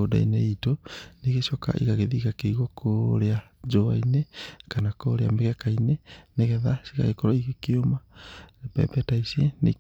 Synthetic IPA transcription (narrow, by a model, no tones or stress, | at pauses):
oda̰ḭneitoniɣeʃɔka̰ʔḭɣaɣeðiːɣakeiɣokʰoɾea | d͡ʒoainekanakoɾeameɣɛkaineneɣɛðasiɣa̰ɣekɔɾɔiɣekeomapɛ̰bɛtaisienḛ